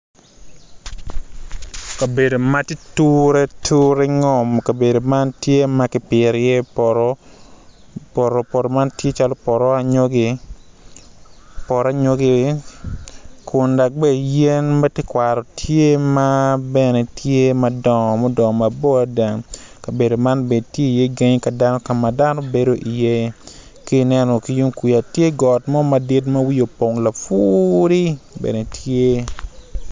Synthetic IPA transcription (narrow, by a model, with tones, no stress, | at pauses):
ka˨be˨do˨ma˦ti˦tu˦ɾe˦tʰu˦ɾe˦ŋɔ˦˨mka˨be˨do˨ma˦ntje˦ma˦kɪ˨pɪ˨ɾje˦ɾ | pɔ˨ɾo˨pɔ˨ɾo˨ma˦ntje˦t͡ʃa˦lo˦pɔ˨ɾɔ˦a˦ɲo˦ɡi˦ | pɔ˨ɾa˦ɲo˦ɡi˦ | kʰʊ˨nda˨k̚be˦˨je˦nma˦te˦kwa˨ɾɔ˨tʰje˦ma˦bɛ˦ne˨tje˦ma˦dɔ˨mɔ˦dɔ˨ma˨bo˦a˦da˨ŋka˨be˨do˨ma˦nbe˨dtje˦i˨je˦ɡe˦ɲi˦ka˨da˦nɔ˦ka˨ma˨da˦no˦be˦do˦ʔi˨je˦ | ki˦nɛ˦nɔ˨ki˨ju˦ŋki˨ja˨tje˦ɡɔ˨tmɔ˦ma˦di˦t̬ma˦wi˦jo˨po˨ŋla˨fu˦ɾi˦bḛ˨ne˨tje˦